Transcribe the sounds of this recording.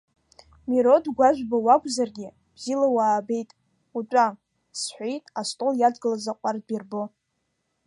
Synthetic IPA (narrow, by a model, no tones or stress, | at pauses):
miɾo̞dɡʷaʒʷᶣbawakʷʼzarɡʲɪ | bzilawaːbe̞jtʼ | ut͡ʃʷʼa | sħʷejtʼastʼoljadɡɨlazaqʷʼardbirbo